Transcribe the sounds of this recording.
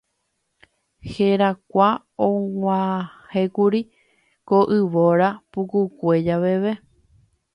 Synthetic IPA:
heɾakʷa | õŋʷãhekuɾi | koʔɨʋoɾapukukʷed͡ʒaʋe̞ʋe

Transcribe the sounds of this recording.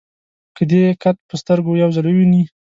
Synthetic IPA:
kəd̪ekat̪̚pəst̪əɾɡojawzəlwəwini

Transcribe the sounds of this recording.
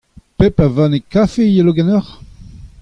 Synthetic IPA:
pepavãnekafejeloɡɛnœʁ

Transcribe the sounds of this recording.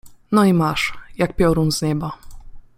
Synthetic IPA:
nɔimaʂjak̚pʲjɔɾunzɲɛba

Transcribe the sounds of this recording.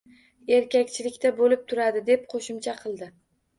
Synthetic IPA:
e̞ɾkʲakʲt͡ʃʰɪlɪkʲt̪ʰabolɪp̚t̪ʰʊɾad̪ɪd̪e̞p̚qʰoʃʊmt͡ʃʰaqʰɨlˠd̪ɪ

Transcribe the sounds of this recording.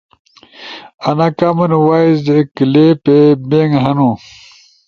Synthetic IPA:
ɐnakamɐnwaːjzd̪ekilepebeŋɦɐnu

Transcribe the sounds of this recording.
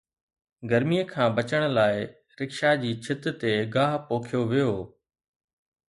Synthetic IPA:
ɡɐɾmijəkʰãːbɐt͡ɕəɽ̃laːɪ | ɾɪkʃad͡ʑiːt͡ɕʰɪt̪t̪eɡaːɦpoːkʰijoʋijoː

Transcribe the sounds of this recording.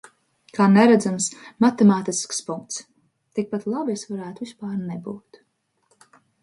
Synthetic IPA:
kʰaːnɛɾæd̪zamsmat̪ɛmaːt̪iskspuŋk̚t̪s | t̪ik̚pat̪lˠabesvaɾæːt̪uvispaːɾnebuːt̪

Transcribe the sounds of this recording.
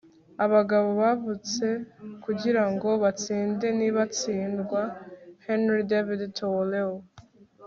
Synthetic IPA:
aβaɡaβo̞βavut͡se̞kuɟiɾaŋɡo̞βat͡siːnde̞niβat͡siːndɡwahenɾidevidtʰoleo

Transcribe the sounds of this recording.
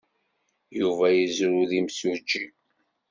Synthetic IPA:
juvæjizɾuðimsud͡ʒːi

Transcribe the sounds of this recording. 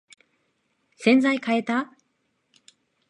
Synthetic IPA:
sẽ̞nd͡zaikae̞t̪a

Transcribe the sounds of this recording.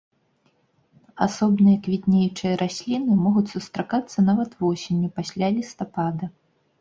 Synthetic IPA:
asɔbnɨjɐkvʲit̪nʲejt͡ʂɨjɐɾʔasʲlʲinɨmɔɣut͡sʲsust̪ɾakat̪sːɐnavɐt̪vɔsʲenʲːupasʲlʲalʲist̪apad̪ɐ

